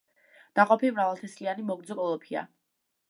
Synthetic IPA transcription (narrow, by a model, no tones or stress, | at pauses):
d̪̥aqʼɔpʰilmɾavalˠt̪ʰɛslianimɔɡɾd̪zɔkʼɔlˠɔpʰia̰